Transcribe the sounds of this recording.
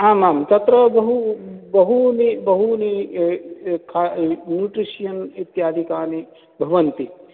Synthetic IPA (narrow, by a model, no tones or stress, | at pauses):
ɦãːnaːmt̪ɐt̪ɾɐbɐɦubɐɦunibɐɦuni | kʰanjuːʈɾiʃijɐnit̪jaːd̪ʱikaːni | bʱɐʋɐnt̪i